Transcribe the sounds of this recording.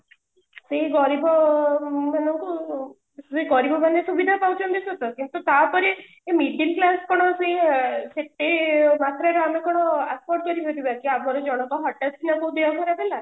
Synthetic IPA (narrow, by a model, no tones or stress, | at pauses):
seɡɔɾibɔ | manɔŋku | seɡɔɾibʱɔmanesubid̪ʱapawt͡ʃʰɔnd̪isɔt̪ɔkĩnt̪ut̪apɔɾi | emiʈinklaskɔɽ̃ɔseseʈ̪ːemat̪ɾɔeɾɔamekɔɽ̃ɔaspɔɾʈ̚kʌɾiɦot̪ibakiamɔɾed͡ʒɔɽ̃ɔk̪ɔɦɔʈːatkʰinakoũd̪eɔkɔɾabela